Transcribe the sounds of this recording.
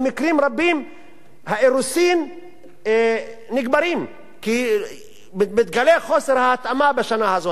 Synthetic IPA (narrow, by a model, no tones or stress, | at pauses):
mikɾimʁabim | haeʁusim | niɡbaɾim | ki | mimit̪ɡaleχo̞seɾhaːt̪amabaʃanahazo